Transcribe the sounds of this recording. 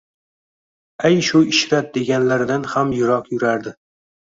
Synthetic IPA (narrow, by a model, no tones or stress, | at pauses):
ajʃʊɪʃɾat̪̚d̪e̞ɡʲanlaɾɪd̪anhamjʊɾɒqjʊɾaɾd̪ɪ